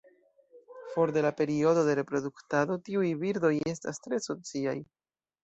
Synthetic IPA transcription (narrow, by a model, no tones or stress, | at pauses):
fo̞ɾde̞lape̞ɾio̞do̞de̞ɾe̞pɾo̞d̪uktado̞tiujbiɾdo̞je̞stastɾe̞so̞t͡sia̰j